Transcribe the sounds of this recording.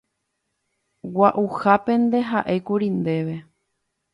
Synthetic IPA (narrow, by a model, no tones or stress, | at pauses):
waʔuhapẽ̞nd̪e̞ɦaʔe̞kuɾind̪e̞ʋe̞